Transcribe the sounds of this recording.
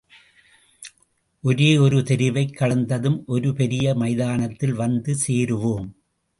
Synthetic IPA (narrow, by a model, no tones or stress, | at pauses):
ʔɔɾeːɔɾɯt̪ɛɾɪʋɐɪkːɐɽɐnd̪ɐðɯmʔɔɾɯpɛɾɪjɐmɐɪðaːnɐt̪ːɪlʋɐnd̪ɯseːɾɯʋoːm